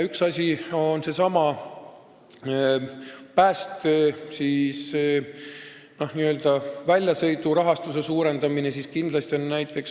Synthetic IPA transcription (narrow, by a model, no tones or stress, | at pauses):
yksɑsʲio̞nse̞sɑmɑ | pæːst̪siːs | no̞hniø̞ld̪̥ɑvælʲjɑsɤ̞jt̪ˑuɾɑɦɑst̪use̞suːɾe̞nd̪̥ɑmine̞siːskind̪lɑst̪io̞nːæjt̪ːˑe̞ks